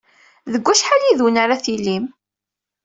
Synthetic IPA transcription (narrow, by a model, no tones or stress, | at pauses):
ðəɡʷːæʃħaliðwnaɾaθilim